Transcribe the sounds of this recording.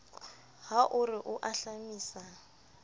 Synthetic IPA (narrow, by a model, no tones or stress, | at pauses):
ɦaʔʊrɪʔʊʔaɬamiːsa